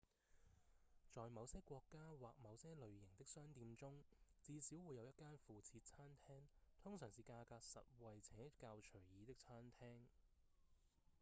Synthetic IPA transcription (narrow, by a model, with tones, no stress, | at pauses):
t͡sɔː˨jmɐ˨˧wsɛː˥kʷɔː˧kːaː˥waː˨˩k̚mɐ˨˧wsɛː˥lɵ˨˧ɥjɪ˨˩ŋt̪ɪ˥k̚sœː˥ŋt̪iː˧mt͡sʊ˥ŋt͡siː˧siː˨˥wu˨˧jɐ˨˧wjɐ˥t̚kːaː˥nfuː˨t͡sʰiː˧t̚t͡sʰaː˥nt̪ʰɛː˥ŋt̪ʰʊ˥ŋsœː˨˩ŋsiː˨˧kaː˧kaː˧k̚sɐ̰˨t̚wɐ˨jt͡sʰɛː˨˥kaː˧wt͡ʃʰɵ˨˩ɥjiː˨˧t̪ɪ˥k̚t͡sʰaː˥nt̪ʰɛː˥ŋ